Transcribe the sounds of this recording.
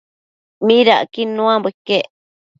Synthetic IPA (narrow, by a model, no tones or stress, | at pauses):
mĩɾaʔkinũãbekːeʔ